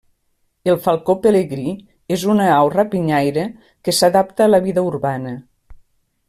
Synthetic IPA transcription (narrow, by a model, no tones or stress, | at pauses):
elˠfalˠkopeleɣɾi | ezunəawrapiɲajɾə | kəsaðap̚t̪əːləβiðəuɾβanə